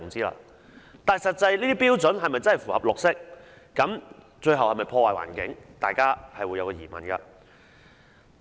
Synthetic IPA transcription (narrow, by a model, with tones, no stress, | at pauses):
ŋt͡siː˥la̰ː˧ | t̪aː˨˩jsɐ˨t̚t͡sɐ˧jliː˥t̪iː˥piː˥wt͡sɵ˨˥nɦɐ˨jmɐ˨jt͡sɐ˥nhɐ˨˩fuː˨˩hɐ˨˩p̚lʊ˨k̚sɪ˥k̚ː | ɐ˨˥m | t͡ʃɵ˧ɥɦɐ˨whɐ˨jmɐ˨˩jpʰɔː˧waː˨jwa̰ː˨˩nkɪ̰˨˥ŋt̪a̰ː˨jkaː˥hɐ˨jwuː˨˧jɐ˧wkɔː˧jiː˨˩mɐ̰˨˩nkɐ̰˧